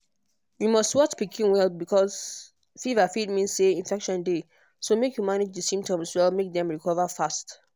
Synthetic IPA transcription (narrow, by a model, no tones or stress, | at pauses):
jumɔstwɔt͡ʃpikʰĩnwɛlˠbikʰɔz | fivafid̚mĩnsseĩnfɛkʃɔ̃nde | somekjumanid͡ʒdəsĩmtɔ̃mswɛlmek̚dɛ̃mɹikʰɔvəfast